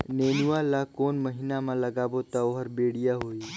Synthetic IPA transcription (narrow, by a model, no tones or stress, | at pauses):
neːnuʋaːlakoːnməɦinamãlɐɡaːbot̪aoɦəɾbeːɽijaɦoːi